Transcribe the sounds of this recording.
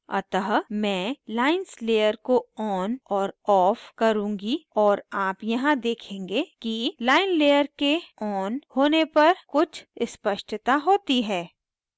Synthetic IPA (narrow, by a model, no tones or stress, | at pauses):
ɐ̰t̪əɦmɛ̃ːlaːɪnsleːjəɾkoɔːnɔːɾɔːfkɐɾũːŋɡiɔːɾaːpjɐɦãd̪eːkʰẽːŋɡekilaːɪnleːjəɾkeɔːnhoːnepɐɾkʊt͡ʃʰspəʃʈt̪aɦoːt̪iɦɛː